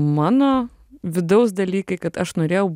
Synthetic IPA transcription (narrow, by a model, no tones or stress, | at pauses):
mɑːnoː | ʋʲɪd̪ɐʊs̬d̪ɐlʲiːkɐɪkɐt̪ɐʃnoːɾʲeːjɛʊ